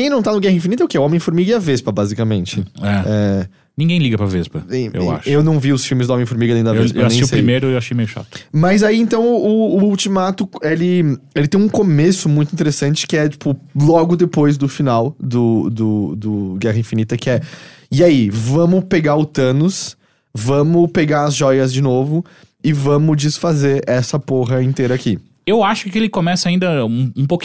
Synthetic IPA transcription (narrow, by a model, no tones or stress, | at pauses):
kẽj̃nɐ̃w̃t̪anʊɡɛhɐĩfinit̪ɐʊkɪɛʊõmẽfoɾmiɡɪɐvespɐbazikɐmẽnt͡ʃɪɛɛ | nĩɡẽj̃liɡɐpɾɐvɛspɐẽḛwa̰ʃewnɐ̃w̃viʊsfiwmɪzd̪ʊõmẽj̃foɾmiɡɐẽd̪ɐesɾeɐwaeʃjiʊseɾimejɾʊewaʃejmejʊʃa̰t̪ʊ̥mɐzaiẽnt̪ɐ̃w̃ʊːwt͡ʃimat̪ʊelɪelɪt̪ẽj̃ũkomesʊmũj̃t̪ʊĩt̪̬eɾesɐ̃nt͡ʃɪ̥kɪɛt͡ʃi̥pʊlɔɡʊd̪epojzd̪ʊfinawd̪ʊd̪ʊd̪ʊɡɛɦɐĩfinit̪ɐkɪɛ | iaivɐ̃mʊpeɡaɾʊt̪ɐ̃nʊs | vɐ̃mʊpeɡaɾɐzʒɔjɐzd͡ʒɪnovʊ | ɪvɐ̃mʊd͡ʒisfazeɾɛsɐpoɦɐẽt̪ejɾɐaki | ewaʃʊ̥kɪelɪkomɛsɐaĩnd̪ɐũũpok